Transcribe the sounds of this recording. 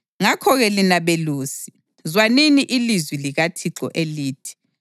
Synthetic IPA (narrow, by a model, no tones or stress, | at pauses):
ŋakʰɔɣɛlinaβeluːsi̥ | zwaniniʔilizwiliɣatʰiǁɔ̰ʔeliːtʰi̥